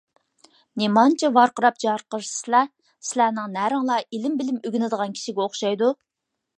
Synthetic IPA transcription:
nemɑnt͡ʃʰɛvɑɾqəɾɑp̚d͡ʒɑɾqəɾsɨ̥slɛ | sɪlænɪŋnæɾɨŋlˠɑilɪmbɪlɪmøɡʲɪnɪd̪əʁɑnkʲʰi̥ʃiɡʲɛoχʃɑjd̪u

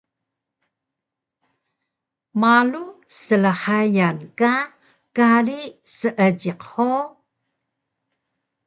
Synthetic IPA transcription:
malu | səlaħajanka | kaɾisəʔəɟiqħo

